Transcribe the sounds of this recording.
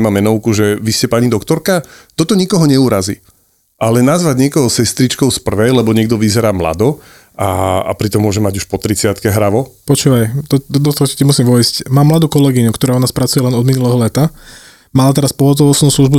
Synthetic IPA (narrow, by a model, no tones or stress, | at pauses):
ɛmamɛnɔʊkuʒɛʋiscɛpaɲid̪ɔkt̪ɔɾkat̪ɔt̪ɔɲikɔɦɔɲɛuːɾazḭ | ʔalɛnazʋaɟɲɪɛkɔɦɔsɛst̪ɾit͡ʃkɔʊspr̩ʋɛjlɛbɔɲɪɛɡ̚d̪ɔʋizɛɾaːmla̰d̪ɔ | aa̰pɾit̪ɔmːʊɔʒɛmaɟuʃpɔt̪ɾit͡sɪat̪kɛɦɾaʋɔpɔt͡ʃuːʋajt̪ɔd̪d̪ɔt̪ɔɦɔci̥cɛmusimʋɔjscmaːmːlad̪uːkɔlɛɡiɲukt̪ɔɾaɔnaːspɾat͡sujɛlɛnɔd̪minulɛːɦɔlɛt̪a | maːlat̪ɛɾaspɔɦɔt̪̬ɔʋɔt͡snuːslˠuʒbu